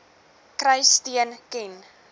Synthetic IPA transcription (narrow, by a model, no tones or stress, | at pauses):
krəjstiənkɛn